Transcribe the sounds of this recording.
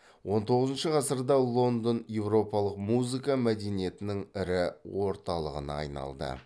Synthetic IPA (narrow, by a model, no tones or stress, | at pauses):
wo̞nt̪ʰo̞ʁəzənʃəʁɑsəɾd̪ɑlˠo̞nd̪onje̞wro̞pɑlˠəqmuzikɑmæd̪enije̞t̪ɪnɪŋɪɾɪwo̞ɾt̪ɑlˠəʁə̰nɑ̰ːjnɑ̰lˠd̪ə̰